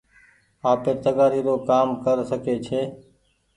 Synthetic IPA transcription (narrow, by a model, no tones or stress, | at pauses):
aːpeɾt̪əɡaːɾiːɾoːkaːmkəɾsəkeːt͡ʃʰeː